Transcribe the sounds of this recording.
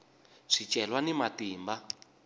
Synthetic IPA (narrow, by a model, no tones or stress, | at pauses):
ʂit͡ʃʼɛlwanimatiːmba